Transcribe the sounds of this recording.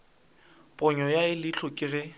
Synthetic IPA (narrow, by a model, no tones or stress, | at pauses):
pʼʊɲɔjaɪlɪt͡ɬʰʊkʼɪrɪ